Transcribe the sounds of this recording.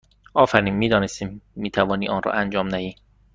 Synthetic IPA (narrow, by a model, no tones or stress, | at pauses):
ʔɒːfæɾiːnmiːd̪ɒːnest̪iːmːiːt̪ʰævɒːniːʔɒːnrɒ̰ːʔænd͡ʒɒːmnæhiː